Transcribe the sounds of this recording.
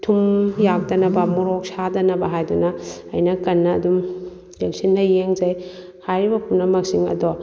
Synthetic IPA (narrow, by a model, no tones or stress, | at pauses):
tʰumjak̚dɐnɐbɐmɔɾɔk̚sadɐnɐbɐɦajdunɐɐ̰jnɐkɐnːɐːdum | lek̚sindɐjeŋzɐj | hajɾibɐpunːɐmɐk̚siŋɐ̰dɔ